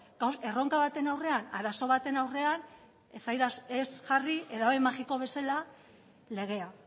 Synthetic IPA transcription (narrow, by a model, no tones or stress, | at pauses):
ɡase̞ro̞ŋkaβat̪e̞nawre̞anaɾaso̞β̞at̪e̞nawre̞an | esajðasesʝariʔe̞ðaoemaxiko̞β̞e̞sala | le̞ɣ̞e̞a